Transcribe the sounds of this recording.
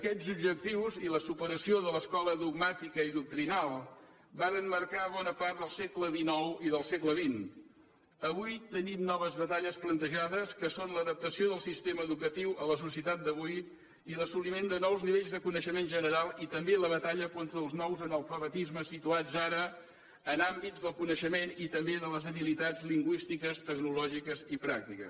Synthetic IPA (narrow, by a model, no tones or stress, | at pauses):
əkɛzub̚ʒək̚t̪iwziləsupəɾəsioðələskɔləðuɡmat̪ikəiðuk̚t̪ɾinalˠ | baɾənmərkaβɔnəpart̪d̪əlˠsɛkləðinɔwiðəlˠsekləβin | əβujt̪ənimnɔβəzβət̪aʎəsplənt̪əʒaðəskəsonləðəp̚t̪əsioðəlˠsist̪eməːðukət̪iwʔələsusiət̪at̪̚d̪əβ̞uj | iləsulimend̪ənɔwzniβeʎzðəkunəʃəmenʒənəɾalˠit̪əmbeləβət̪aʎəkont̪ɾəːlˠznɔwzənəlˠfəβət̪izməsit̪uad͡zaɾəː | nambizðəlˠkunəʃəmenit̪əmbeðələzəβilit̪ad͡zliŋɡwist̪ikəst̪əɡnulɔʒikəzipɾak̚t̪ikə̰